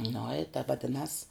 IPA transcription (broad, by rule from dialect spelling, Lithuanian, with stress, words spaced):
nʊ ɪ tɐ ʋɐˈdʲɪnɐs